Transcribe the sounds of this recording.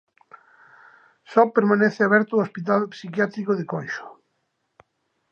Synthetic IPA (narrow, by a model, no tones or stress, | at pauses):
sɔpeɾmãneθɪaβɛɾt̪ʊospit̪alpsikjat̪ɾikoðekɔjʃʊ̥